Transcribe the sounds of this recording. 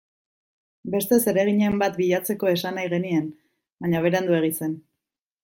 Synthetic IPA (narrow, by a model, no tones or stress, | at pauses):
be̞st̪e̞se̞ɾe̞ɣ̞iɲe̞mbat̪̚biʎat͡se̞ko̞e̞sanajɣe̞nien | baɲaβ̞e̞ɾeand̪ue̞ɣ̞ise̞n